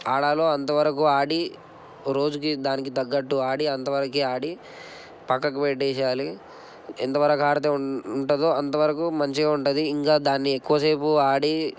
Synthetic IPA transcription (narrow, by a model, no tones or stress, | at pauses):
aːɽaːlo̞ːɐnt̪ɐʋɐɾɐk̬uaːɽi | ɾo̞ːd͡ʒukid̪aːnikit̪ɐɡːɐʈːuaːɽiɐnt̪ɐʋɐɾɐkiaːɽi | pɐkːɐkupɛʈːɛːʃaːli | ḛnt̪ɐʋɐɾɐkaːɾɐt̪eːuɳʈɐd̪oːɐnt̪ɐʋɐɾɐkumɐɲt͡ʃieːuɳʈud̪iːŋkaːd̪aːnːiekːuʋɐseːpuaːɽi